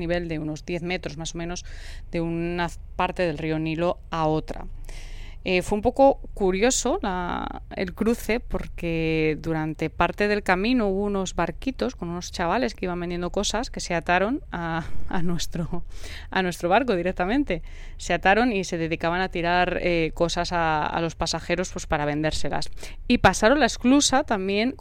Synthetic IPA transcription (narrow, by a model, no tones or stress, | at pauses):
niβ̞e̞ld̪e̞uno̞zðje̞θme̞t̪ɾo̞zmaso̞mẽno̞z | d̪e̞una | paɾt̪e̞ð̞e̞lrio̞nilo̞ | ao̞t̪ɾa̰ | efweumpo̞ko̞kuɾjo̞so̞la̰ḛlkɾuθe̞po̞ɾke̞ðuɾant̪e̞paɾt̪e̞ð̞e̞lkamĩnouβouno̞zβaɾkit̪o̞sko̞nuno̞st͡ʃaβale̞skeiβambe̞nd̪je̞nd̪o̞ko̞saske̞se̞at̪aɾo̞na̰ːnwe̞st̪ɾo | a̰nwest̪ɾo̞β̞aɾko̞ð̞iɾe̞k̚t̪amẽ̞nt̪e̞ | se̞at̪aɾo̞nise̞ðe̞ðikaβanat̪iɾaɾeko̞sasaa̰lo̞spasaxe̞ɾo̞spwe̞spaɾaβe̞nd̪e̞ɾse̞la̰s | ipasaɾo̞nlaesklusat̪ambje̞ŋ